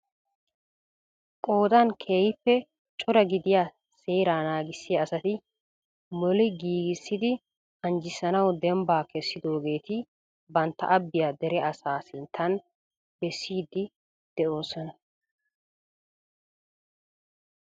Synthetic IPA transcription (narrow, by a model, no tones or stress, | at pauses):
kʼo̞ːd̪ɐnkʰe̞ːjɪpːɛ | t͡ʃʼɔɾɐɡɪd̪ɪjaː | se̞ːɾaːnaːɡɪsːɪjɐːsɐt̪ɪ | mɔlɪɡiːɡɪsːɪd̪ɪ | ɐnd͡ʒɪsɐnɐwd̪ɛmbaːkʰɛsːɪd̪o̞ːɡe̞ːt̪ɪ | bɐnt̪ːɐ̰ʔɐbːɪjaːd̪ɛɾɛɐsaːsɪnt̪ʰːɐn | bɛsːiːd̪ɪ | d̪̥ɛʔo̞ːsɔnɐ